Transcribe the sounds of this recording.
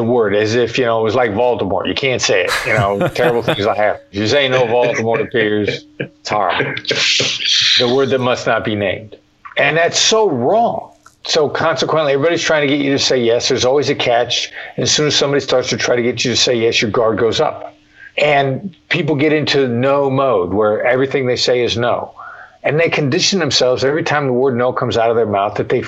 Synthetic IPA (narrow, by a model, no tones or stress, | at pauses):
ðəwɜ˞ɾɨzɪfjɨnoʊət̚wʌzlaɪkvɑlˠtəmɔ̰ɹjɨ̰kʰæ̃ntseɪɪ̰t̚jɨnoʊtʰɛɹɨbl̩ˠθɪɪ̃ŋzaɪhæpn̩zjə˞seɪɪ̃ŋnoʊvɑlˠtəmɔɹɨpʰɪɹz̥tʰɑ̰ɹə̰b̩ˠ | ðəwɜ˞d̪̚ðɨt̚mʌsnət̚b̥inḛ̃ɪ̃md̥ | ɨ̃nðætsoʊɹɔ̃ŋsoʊkʰɑ̃nsəkʰw̥ə̃nʔliɛvɹibɑɾiztʰɹ̥aɪɪ̃ŋtʰɨɡɛt͡ʃɨɾɨseɪjɛsðə˞zɔlˠwizɨkʰæt͡ʃɨ̃nɨz̥sʉ̃nɨz̥sʌ̃mbɑɾistɑɹtstʰɨtʰɹ̥aɪɾɨɡɛt͡ʃɨɾɨseɪjɛsjə˞ɡɑɹd̚ɡoʊzʌ̰p | ʔɨ̃npʰip̬l̩ˠɡɛɾɪ̃ntʰʉnoʊmoʊd̚wə˞ɛvɹiθɪ̃ŋðeɪseɪɨznoʊɨ̃nðeɪkʰɨ̃ndɪʃn̩ðɨ̃m̩sɛlˠvzɛvɹitʰãɪ̃mðəwɜ˞dⁿnoʊkʰʌ̃mzaʊɾʌvðə˞maʊθðɨt̪̚ðeɪ